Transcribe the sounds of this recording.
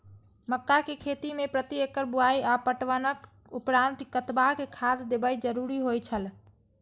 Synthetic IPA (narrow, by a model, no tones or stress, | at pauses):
məkːakekʰet̪imepɾət̪iekːəɾbuaiapəʈʋənək | upɾant̪kət̪bakekʰad̪d̪ebəjd͡ʒəɾuɾiɦojt͡ʃʰəl